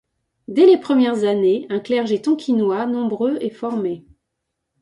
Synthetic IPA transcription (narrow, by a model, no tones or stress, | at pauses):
d̪ɛlepχəmjɛʁzaneɛ̃klɛʁʒet̪ɔ̃kʲinwanɔ̃bʁøɛfɔʁme